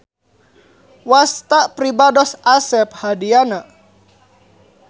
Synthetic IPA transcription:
wast̪apɾibadɔsasɛp̚hadianaʔ

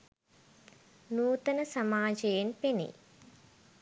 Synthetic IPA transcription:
nuːt̪ənəsɐmaːd͡ʒejenpenḛ

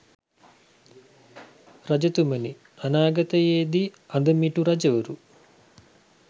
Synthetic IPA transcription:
rad͡ʒɐt̪uməni | anaːɡɐt̪əjeːd̪i | and̪əmiʈuɾad͡ʒəʋəɾu

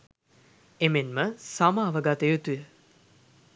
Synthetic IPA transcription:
emenməsamaːʋəɡat̪ejot̪ujə

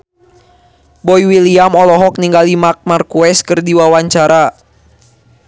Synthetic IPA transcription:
bɔjwiliamɔlɔɦɔk̚niŋɡalimak̚markuɛskɨrdiwawaɲt͡ʃaɾa

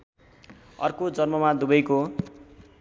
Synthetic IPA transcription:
ʌ̰rkod͡zʌrmʌmad̪ubʌjko

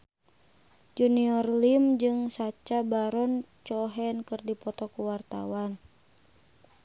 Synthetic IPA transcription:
d͡ʒuniɔrlimd͡ʒɨŋsat͡ʃabaɾɔnt͡ʃɔɦɛnkɨrdipɔt̪ɔkuwart̪a̰wan

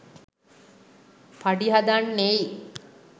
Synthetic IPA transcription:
paɖiɦad̪anːei

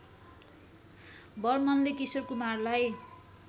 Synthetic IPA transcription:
bʌrmʌnlekisʌrkumarlaj

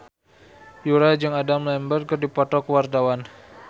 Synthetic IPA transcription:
juɾad͡ʒɨŋadamlɛmbər̚kɨrdipɔt̪ɔkəwart̪awan

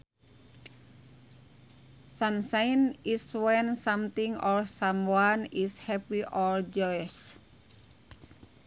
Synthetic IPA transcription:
sansajniswɛnsamt̪iŋɔlsamwanishɛpiʔɔld͡ʒɔjs

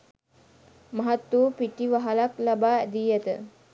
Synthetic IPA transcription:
maɦat̪ːuːpiʈiʋaɦalaklabaːæd̪iːjat̪ə̰

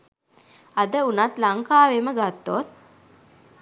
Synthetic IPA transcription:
ad̪əunat̪laŋkaːʋeməɡat̪ːot̪̚

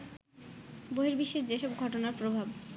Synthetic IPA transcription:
boɦiɾbiʃːed͡ʑeʃɔbɡʱɔʈonaɾpɾobʱab

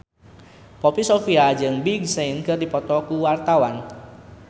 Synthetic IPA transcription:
pɔpisofiad͡ʒɨŋbiɡ̚seinkɨrdipɔt̪ɔkuwart̪awan

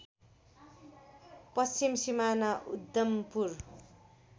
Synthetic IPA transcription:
pʌst͡simsimanaʔud̪ːʌmpur

